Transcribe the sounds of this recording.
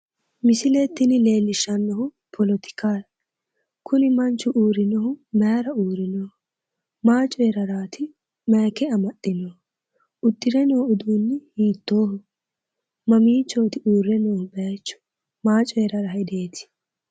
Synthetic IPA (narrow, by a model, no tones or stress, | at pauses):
mɪsɪlet̪ːɪnɪle̞ːlːɪʃɐnːɔɦʊ | pʰɔlɔt̪ɪ̥kaːɾ | kʰʊnɪmɐnt͡ʃːʊʔuːɾɪnɔhʊmɐɾɐuːɾɪnoːh | maːt͡ʃʼɔjɛɾɐɾaːt̪ʰɪ | mɐːkɛɐmɐtʼːɪnɔː | ʊd̪ːɪɾɛnoːʊd̪uːnːɪhiːt̪ːoːhʊ | mɐmiːt͡ʃːo̞ːt̪ɪʔuːɾːɛnoːhʊbɐt͡ʃːʊ̥ | maːt͡ʃʼɔjɛɾɐɾɐɦɛd̪eːt̪ʰɪ̥